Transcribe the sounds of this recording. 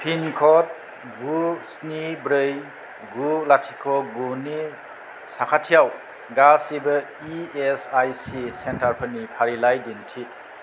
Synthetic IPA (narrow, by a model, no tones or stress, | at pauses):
pʰinkʰɔt̚ | ɡusnibɾɯj | ɡulatʰikʰɔɡuni | sakʰatʰijaw | ɡasibɐ | iesajsisentaɾpʰɐnipʰaɾilajdintʰi